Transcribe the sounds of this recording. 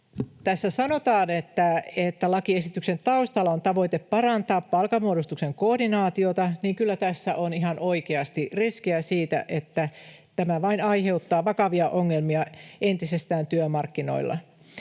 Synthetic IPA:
t̪æsːæsɑno̞t̪ɑːnet̪ːæet̪ːælɑkie̞sit̪ykse̞nt̪ɑust̪ɑlːɑont̪ɑʋo̞it̪eppɑɾɑnt̪ɑːppɑlkɑmuodust̪ukse̞ŋko̞ːrdinɑːt̪io̞t̪ɑniːŋkylːæt̪æsːæʔoniɦɑno̞ikeɑst̪iriskiæsiːt̪æ̰ʔe̞t̪ːæt̪æmæʋɑinɑjɦe̞ut̪ːɑːʋɑkɑʋiɑʔoŋːelmiɑe̞nt̪ise̞st̪æːnt̪yømɑrkːino̞̰ilːɑ̰

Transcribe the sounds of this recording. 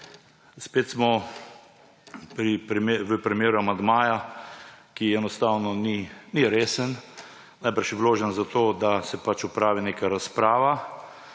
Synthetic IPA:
speːt̪smɔ | pɾipɾʋəpɾɛmjeːɾuamand̪maːja | kiɛnɔst̪awnɔniniɾeːsən | najbəɾʃjɛʋloːʒənzat̪oːd̪asɛpat͡ʃupɾaːʋineːkaɾaspɾaːʋa

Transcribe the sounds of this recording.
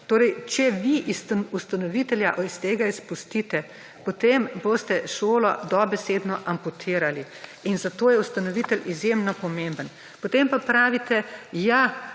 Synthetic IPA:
t̪oːɾɛjt͡ʃɛʋiʔisust̪anɔʋit̪ɛljaʔist̪eːɡaispust̪it̪ɛ | pɔt̪emboːst̪ɛʃoːlɔ̰d̪ɔbɛseːd̪nɔʔamput̪ʰiɾali | inzat̪oːjɛust̪anɔʋit̪əlizjemnɔpɔmẽmbən | pɔt̪empapɾaːʋit̪ɛja

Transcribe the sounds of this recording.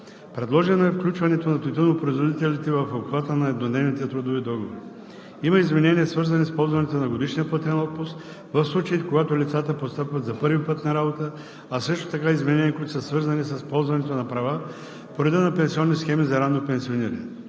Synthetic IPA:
pɾɛd̪lˠɔʒɛnoɛfklʲut͡ʃvɐnɛt̪onɐt̪ot̪inopɾoizvod̪it̪ɛlit̪ɛvɐfobxvat̪ənɐɛd̪nod̪nɛvnit̪ɛt̪ɾud̪ovid̪ɔɡovoɾi | imɐizmɛnɛniɛsvɤɾzɐnispɔlˠzvɐnɛt̪onɐɡod̪iʃnijəpət̪ɛnɔt̪̚pust̪ | vɐfslˠut͡ʃɐit̪ɛkoɡat̪olʲit̪sat̪əpost̪apvɐt̪zɐpɤɾvipɤt̪nɐɾabot̪ə | asɤʃt̪o̥t̪ɐkaizmɛnɛniəkuit̪ʊ̥səsvɤɾzɐnisəspɔlˠzvɐnɛt̪onɐpɾɐva | poɾɛd̪ɛnɐpɛnsiɔnːisxɛmizɐɾanːopɛnsioniɾɐ̰nɛ

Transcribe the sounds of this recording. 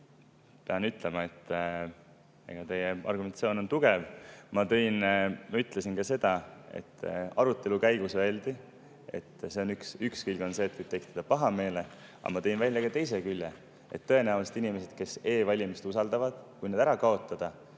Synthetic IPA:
pe̞ɑnyt̪ːˑle̞mɑe̞t̪ː | ḛɡ̥ɑt̪e̞jeɑ̰rɡument̪sio̞ːnont̪uɡ̥e̞vmɑt̪ɤ̞jnmɑyt̪ːˑlesinkɑse̞d̪̥ɑe̞̰t̪ːɑɾut̪ːˑe̞lukæjɡ̥usvelʲd̪̥i | e̞̰t̪ːse̞o̞nyksykskilɡo̞nse̞t̪i̥t̪e̞kt̪ed̪̥ɑpɑɦɑme̞ːle̞ | ɑ̰mɑt̪e̞jnvælʲːjɑkɑt̪e̞js̬ekylʲːe | e̞̰t̪ːɤenæulst̪inimese̞d̪̥ke̞se̞ːvɑlʲimist̪usɑld̪ɑvɑd̪̥kujned̪æɾɑkɑo̞t̪ːˑɑd̪̥ɑ

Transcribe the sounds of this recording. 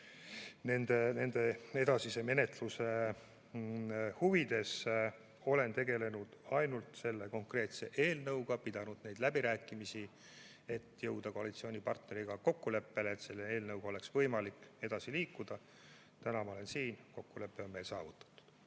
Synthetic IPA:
ne̞nd̪ene̞nd̪e̞e̞d̪ɑsise̞me̞ne̞t̪ˑluse | huvid̪̥e̞s | o̞le̞nt̪e̞ɡe̞le̞nud̪̥ɑjnult̪se̞lːe̞ko̞ŋkre̞ːt̪se̞ʔe̞ːlnɤwɡɑpid̪̥ɑnud̪̥ne̞jd̪̥læbiɾæːkːˑimisi | e̞t̪ːjɤwd̪̥ɑko̞ɑlit̪sio̞ːnʲipɑrt̪ne̞ɾiɡ̥ɑko̞kːule̞pːe̞leːt̪se̞lːee̞ːlnɤwɡ̥o̞le̞ksvɤ̞jmɑlike̞d̪̥ɑsiliːkːˑud̪̥ɑ | t̪ænɑmɑolensiːnko̞kːule̞pːˑeo̞nme̞jlsɑːvut̪ːˑɑ̥t̪ːu̥d̪̥

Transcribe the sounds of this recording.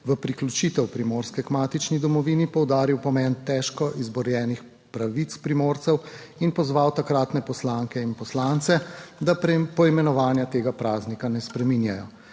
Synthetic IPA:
ʋəpɾiklut͡ʃiːt̪ɛwpɾimoːɾskɛkmaːt̪it͡ʃnid̪ɔmɔʋinipɔwd̪aːɾiwpɔmɛnt̪ɛʃkɔʔizbɔɾjɛːnix | pɾaʋit̪spɾimoɾt̪sɛw | inpɔzʋawt̪akɾaːt̪nɛpɔslaːŋkɛinpɔslant̪sɛd̪apɔimɛnɔʋaːnjat̪eːɡapɾaːznikanɛspɾɛminjajɔ

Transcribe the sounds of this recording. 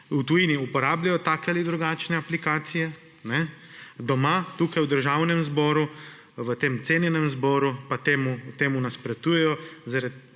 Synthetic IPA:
ut̪ujiːniupɔɾaːblajɔt̪aːkɛalid̪ɾuɡaːt͡ʃnɛaplikaːt̪sijɛ | nɛ | d̪ɔmat̪uːkajwd̪əɾʒawnɛmzbɔɾu | ʋət̪eːmt̪seːnjɛnɛmzbɔːɾupat̪eːmut̪eːmunaspɾɛt̪uːjɛjɔzaɾad̪

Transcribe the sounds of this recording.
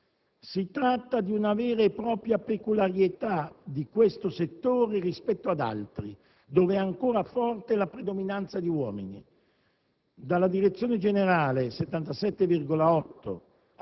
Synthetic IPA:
sit̪ɾat̪ːad̪iunavɛːɾeːpːɾɔːpɾjapekulaɾjet̪ad̪ikwest̪oset̪ːoːɾerispɛt̪ːoad̪a̰lt̪ɾi | d̪oːveɛaŋkoːɾafɔrt̪elapɾed̪ominant̪sad̪iwɔːminḭ | d̪alːad̪iɾet̪sːjoːned͡ʒeneɾaːleset̪ːant̪asɛt̪ːevirɡolaɔt̪ːo̰

